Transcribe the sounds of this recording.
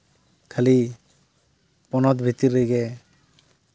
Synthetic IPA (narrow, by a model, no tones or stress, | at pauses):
kʰali | pɔnɔt̪bʱit̪ːiɾejɡɛ